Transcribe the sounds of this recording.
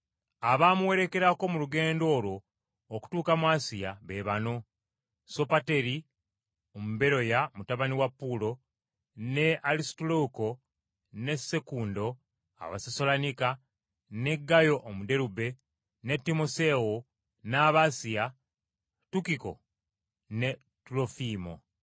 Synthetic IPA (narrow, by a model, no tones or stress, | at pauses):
aβaːmuwe̞ɾe̞ke̞ɾako̞muluɡe̞ːndo̞ːlwo̞ː | ku̥tuːkamwaːsijaβeβano̞ | so̞pate̞ɾi | omube̞ɾo̞jamutaβaniwapːulo̞ | ne̞alistoloko̞ | ne̞se̞kuːndo̞ | a̰βa̰seso̞lanika | ne̞ɡːajo̞ʔːmude̞ɾube̞ | ne̞tːimo̞se̞wo | naːβasija | tukiko̞̰ | ne̞ | tulo̞fiːmo̞̰